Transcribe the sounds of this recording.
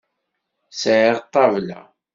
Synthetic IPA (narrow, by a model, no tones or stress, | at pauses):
sʕiʁt̪ˤːɑvla̰